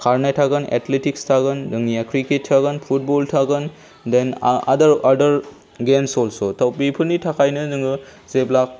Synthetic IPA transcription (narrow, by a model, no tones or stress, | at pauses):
kʰaɾnajtʰaɡɯnḛtletikstʰaɡɯndɯŋiakɾiket̚ʰːaɡɯnpʰut̚bɔltʰaɡɯn | dena̰dɐɾadɐɾ | ɡemsɔlsotʰawpipʰɯnitʰakʰajnɯdɯŋɡɯ | zeblak̚